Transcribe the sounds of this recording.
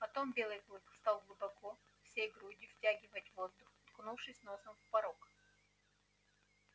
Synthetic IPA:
pɐt̪ombʲe̞lˠɨjklˠɨk̪st̪ɑlˠɡlˠʊbɐko | fsʲejɡɾudʲɪftʲæɡʲɪvətʲvozd̪ʊxt̪knufʂɨsʲnosəmfpɐɾok

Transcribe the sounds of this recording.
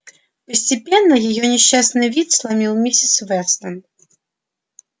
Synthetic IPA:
pɐsʲt͡sʲipʲɛnːɐjaɣɔnʲɛɕʲːasnɨvʲit̪slˠamʲiwmʲisʲɛt̪svɛst̪ɐn

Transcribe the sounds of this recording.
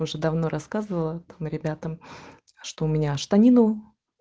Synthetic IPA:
ʊʐɛd̪ɐvno̞ɾʔɐskazɨvəlˠət̪amɾʲɪbʲat̪əm | ʂt̪oʊmʲɪnʲaʂt̪ɐnʲinʊ

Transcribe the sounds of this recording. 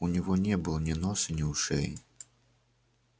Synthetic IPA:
unʲɛɣɔnʲɛbɨlˠɔnʲɛnɔsɨnʲiwʂɛ̰j

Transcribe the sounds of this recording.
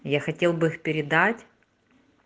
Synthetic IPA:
jaxɐtʲe̞lˠbɨixpʲɪɾʲɪd̪atʲ

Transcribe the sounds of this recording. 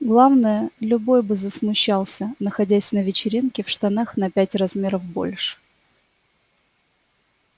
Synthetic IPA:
ɡlˠavnəjəlʲʊbo̞jbɨzəsmʊɕːalˠsʲənəxɐdʲæsʲnəvʲɪt͡ɕɪɾʲinkʲɪfʂt̪ɐnaxnɐpʲætʲrɐzmʲe̞ɾəvbo̞̰lʲʂɨ̥

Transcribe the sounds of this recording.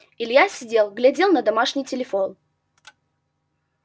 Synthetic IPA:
ɪlʲjasʲɪdʲelˠɡlʲɪdʲelˠnəd̪ɐmaʂnʲɪjtʲɪlʲɪfon

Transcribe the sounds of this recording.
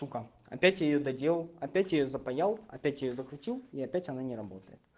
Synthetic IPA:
ukə | ɐ̰pʲætʲjajɪjod̪ɐdʲelˠəlˠɐpʲætʲjɪjozəpɐjalˠɐ̰pʲætʲjɪjozəkɾʲʊtʲilˠiɐpʲætʲɐnanʲɪɾɐbo̞t̪ə̰jɪt̪

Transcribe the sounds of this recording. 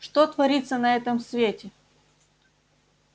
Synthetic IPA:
ʂt̪ot̪vɐɾʲit̪sːənɐɛt̪əmsvʲetʲɪ

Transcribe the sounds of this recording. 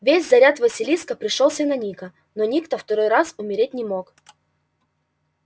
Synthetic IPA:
vʲesʲzɐɾʲat̪vəsʲɪlʲiskəpɾʲɪʂolˠsʲənɐnʲikə | nonʲikt̪oft̪ɐɾojɾasʊmʲɪɾʲetʲnʲɪmo̞k

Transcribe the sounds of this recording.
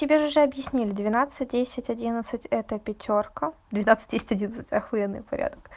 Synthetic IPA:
tʲɪbʲeʐɨʐɨɐbjɪsʲnʲilʲɪd̪vʲɪnat̪sɨt̚ʲdʲesʲɪtʲɐdʲinət̪sɨtʲɛt̪əpʲɪtʲo̞rkəd̪vʲɪnat̪sɨ̥t̚ʲdʲesʲɪtʲɐdʲinət̪sɨ̥tʲɐxvʊjɛd̪nːɨ̰jpɐɾʲa̰d̪ək

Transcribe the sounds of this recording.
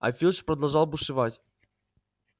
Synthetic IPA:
ɐ̰fʲilʲˠʂpɾəd̪ɐlˠʐɑlˠbɨʂɨvatʲ

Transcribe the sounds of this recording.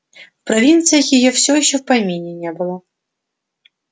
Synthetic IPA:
fpɾɐvʲint̪sɨjəxjɪjofsʲojɪɕːɔfpɐjmʲenʲɪnʲebɨlˠə

